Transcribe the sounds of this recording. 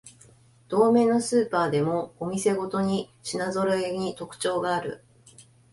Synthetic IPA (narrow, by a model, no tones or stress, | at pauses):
d̪̥o̞ːme̞ːno̞sɨːpaːd̪e̞mo̞ːmʲise̞ɡo̞t̪o̞ɲ̟iɕinazo̞ɾɯeɲ̟it̪o̞kɯ̟̥t͡ɕo̞ːɡaːɾɯ̟̰